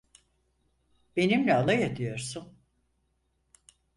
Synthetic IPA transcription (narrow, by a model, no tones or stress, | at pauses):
be̞nimlʲɛalˠajad̪ijo̞ɾsun